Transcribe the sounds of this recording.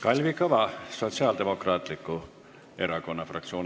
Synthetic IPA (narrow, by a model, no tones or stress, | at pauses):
kɑlʲvikɤvɑso̞t̪siɑːld̪e̞mo̞krɑːt̪ˑlikːˑu | e̞ɾɑko̞nːɑfrɑ̰k̚t̪sio̞ːn